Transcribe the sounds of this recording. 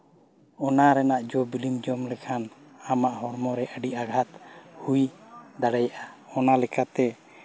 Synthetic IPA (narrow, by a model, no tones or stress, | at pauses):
ɔnaɾɛnaʔd͡ʒɔbilimd͡ʒɔmlɛkʰanamaʔɦɔɾmɔɾɛʔəɖiʔaɡʱat̪hujd̪aɽɛjaʔaɔnalɛkat̪ɛ